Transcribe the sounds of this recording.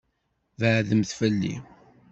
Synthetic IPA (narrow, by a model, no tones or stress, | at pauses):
vəʕðəmθfəlːḭ